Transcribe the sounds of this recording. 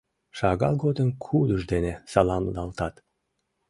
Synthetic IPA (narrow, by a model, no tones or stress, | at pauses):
ʃɑɣɑ̰lˠɡod̪ənkʰuləʒd̪enesɑlɑmlɑlt̪ɑt̪